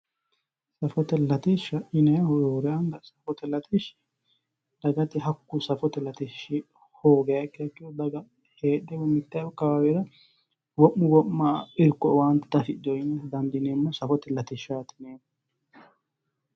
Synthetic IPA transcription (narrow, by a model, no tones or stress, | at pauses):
sɐfɔt̪ɛlɐt̪ɪʃɐʔɪnɛhɔjoːɾɛɐŋɡɐsɐfɔt̪ɛlɐt̪ʰɪʃ | d̪̥ɐɡɐt̪ɪɦɐkːʊsɐfɔt̪ɛlɐt̪ɪʃɪ | hoːɡɛjɐkːɪɐkːɪjɔd̪ɐɡɐ | heːɗɛwɔmːɪt̪ːɛɐkɐwawɛɾɐ | wɔʔːʊwɔʔːɐɪɾkːɔwant̪t̪ɐfɪdɔjɪnɛd̪ɐnd̪ɪneːmːɐsɐfɔt̪ɛlɐt̪ɪʃat̪ɪneːm